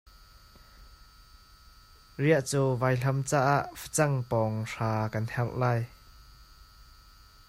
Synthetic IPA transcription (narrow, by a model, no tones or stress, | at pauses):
riəʔt͡suːvaːjɬɐmt͡saːʔaʔfə̥t͡sɐŋpɔŋʂaːkɐnhɛlʔlaːj